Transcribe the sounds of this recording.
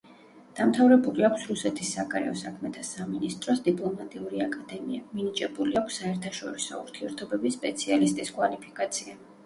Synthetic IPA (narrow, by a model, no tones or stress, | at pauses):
d̪̥amt̪ʰavɾɛbuliakʷʰsɾusɛt̪ʰisːaɡaɾɛ̰ɔsakʰmɛt̪ʰasaminist̪ʼɾɔsd̪ipʼlˠɔmat̪ʼiuɾiakʼad̪ɛmiaminid͡ʒʼɛbuliakʰʷsːaɛɾt̪ʰaʃɔɾisɔ̰ṵɾt̪ʰiɛɾt̪ʰɔbɛbisːpʼɛt̪sʰialist̪ʼiskʼwalipʰikʼat̪sʰia